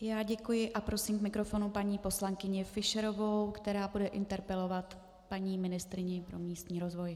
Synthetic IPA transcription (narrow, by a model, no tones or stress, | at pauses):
jaːɟɛkujɪʔapɾo̞siːmkmɪkɾo̞fo̞nupaɲiːpo̞slaŋkɪɲɪfɪʃɛɾo̞vo̞wkt̪ɛɾaːbudɛʔɪnt̪ɛɾpɛlo̞vat̪ | paɲiːmɪnɪst̪ɾɪɲɪpɾo̞miːst̪ɲiːɾo̞zvo̞j